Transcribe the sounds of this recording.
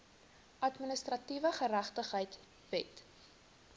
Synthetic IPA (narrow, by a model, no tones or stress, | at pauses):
ʔɐtminəstrɐtivəχəɾæχtəχɦəjt | vɛt